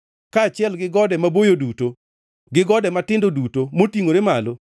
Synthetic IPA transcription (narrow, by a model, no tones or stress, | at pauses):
kaːt͡ʃɪɛlɡɪɡɔdɛmabojoduto | ɡɪɡɔdɛmatɪndodutomotiŋoɾemalo